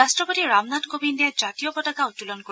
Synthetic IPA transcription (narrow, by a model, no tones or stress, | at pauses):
astɹɔpotiɹamnatkobʱindijad͡ʒatijɔpɔtakautulɔnko